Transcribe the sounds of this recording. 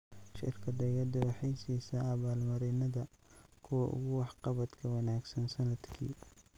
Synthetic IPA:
ʃɪ̰rkʰɐd̪ɛɣɐd̪ʊwɑħɑjsiːsɐʔːβaːlmɐɾɛnɐðɐkʰʊwɐʔʊ̰ɣʊwɑħqɑβɐd̪kʰɐwɐnaːɡsɐnsɐnɐd̪kʰḭː

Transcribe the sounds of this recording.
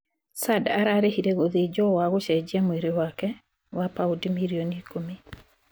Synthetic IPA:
sadaɾaɾehiɾeɣoðed͡ʒɔwaɣoʃɛd͡ʒɛmweɾewakɛ | wapaudimiɾionikomi

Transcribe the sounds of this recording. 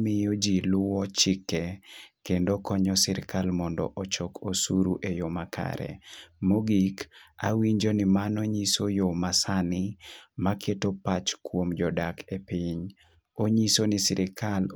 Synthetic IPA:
mɪjɔd͡ʒilʊwɔt͡ʃɪkːɛkendokɔɲɔsɪɾɪkalmɔndɔ̰ʔɔt͡ʃɔkʰosuɾuʔejomakʰa̰ɾɛ̰moɡika̰wiɲd͡ʒonɪmanɔɲisojomasanɪmakʰetopat͡ʃkwomd͡ʒɔdakʰepiɲ | oɲisonɪsɪɾɪkʰal

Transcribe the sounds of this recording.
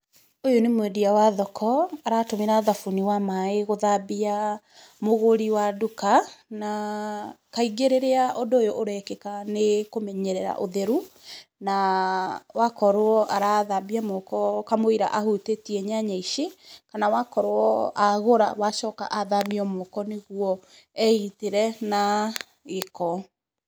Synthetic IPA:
ojonemwɛdiawaðɔkʰɔaɾatomeɾaðafuniwamaeɣoðabia | moɣoɾiwadukana | kaiɡeɾeɾeaʔondoːjoʔoɾɛkɛkanekomɛɲɛɾɛɾa̰ʔoðeɾuna | wakɔɾoɔʔaɾaðabiamɔkɔkamoiɾa̰ʔahutetiɛɲaɲaiʃekanawakɔɾoɔaɣoɾa̰waʃɔka̰ʔaðabiɔmɔkɔneɣuɔ | ɛiteɾɛna | ɣekɔ

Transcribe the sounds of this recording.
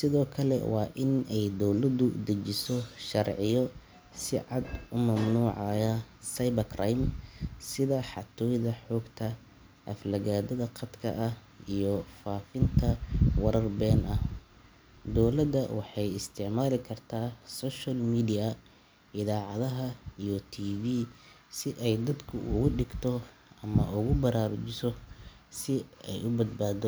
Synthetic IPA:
sɪðɔːkʰɐlɛ̰wɑːʔɪnɛjd̪ɔwlɐðʊd̪ɐt͡ʃɪsɔʃɐrʕɪjɔ | sɪʕɑd̪ʊmɐmnuːʕɑjɐsɐjbɐkʰɾajmsɪðɐħɑt̪ʰɔːjðɐħɔːɡt̪ʰɐ | ʔɐflɐɣaːd̪ɐðɐqʰɐd̪kʰɐ̰ʔɐh | ijɔfaːfɪnt̪ʰɐwɐɾɐrbɛːnʔɐh | d̪ɔwlɐd̪ɐwʔɑħɑjɪst̪ʰɪʕmaːlɪkʰɐrt̪ʰaːsɔːʃɐlmiːdɪjɐ | ɪðaːʕɑðɐɦɐijɔt̪ʰiːviː | sɪʔɛjd̪ɐd̪kʰʊʔʊɣʊɖɪɡt̪ʰɔ | ʔɐmɐ̰ʔʊɣʊbɐɾaːɾʊt͡ʃɪsɔsɪɛ̰jʊbɐd̪̚baːd̪ɔ

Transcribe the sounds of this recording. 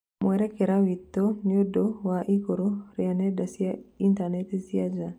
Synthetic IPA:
mwɛɾakeɾawit̪ːoniodowaʔikoɾoɾianedasiaint̪anet̪isiad͡ʒa

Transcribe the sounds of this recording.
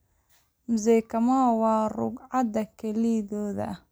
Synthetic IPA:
mʊzɛkʰɐmɐwɑːrʊ̰ɡʕɑd̪ɐkʰɛliðɔːðɐ̰

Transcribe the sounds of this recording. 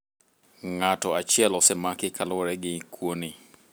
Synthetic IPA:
ŋatɔat͡ʃjɛlɔsɛmakɪkʰalʊɾɛɡɪkʰwonɪ

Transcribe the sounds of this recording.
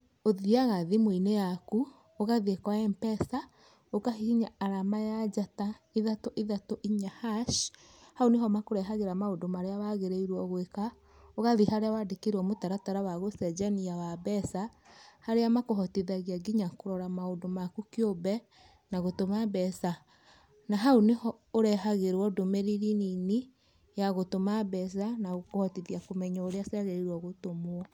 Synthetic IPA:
oðiaɣaðimwoinejaku | oɣaðiekwaɛmpɛsa | okahiɣiɲaaɾamajad͡ʒataiðatoʔiðatoʔiɲahaʃ | haoneɦɔmakoɾɛɦaɣeɾamaodomaɾeawaɣeɾeiɾwɔɣweka | oɣaðihaɾeawadekeɾwɔmotaɾataɾawaɣosɛd͡ʒɛniawabɛsahaɾeamakoɦɔtiðaɣiaɡiɲakoɾɔɾamaodomakukeobɛ | naɣotomabɛsa | naɦaonehɔ | oɾɛɦaɣeɾwɔdomeɾiɾinini | jaɣotomabɛs̬anaɣokohɔtiðiakomɛɲaoɾeasaɣɛiɾwɔɣotomwɔ

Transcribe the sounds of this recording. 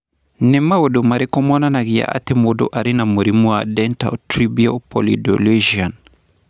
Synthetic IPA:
nɛmːawodumaɾikɔmɔnanaɡija̰ʔa̰t̪emodo̰ʔaɾinamuɾimuadɛnta̰tɾibiopɔlido̰leʒian

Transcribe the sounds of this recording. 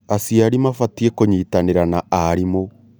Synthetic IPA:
asiaɾimafatiekoɲiːtaneɾanaaɾimo

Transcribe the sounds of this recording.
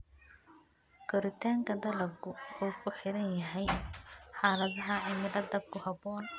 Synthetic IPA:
ɡ̥ɔɾɪt̪ʰaːŋkʰɐd̪ɐlɐɡʊɔːkʰʊħɪɾɐnjɐɦɛjħaːlɐðɐɦɐɪmɪd̪ɐd̪ɐb̚kʰʊhɐbɔːn

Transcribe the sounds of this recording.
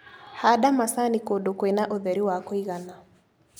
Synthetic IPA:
hadamasanikodokwenaʔoðɛɾiwakɔiɣana

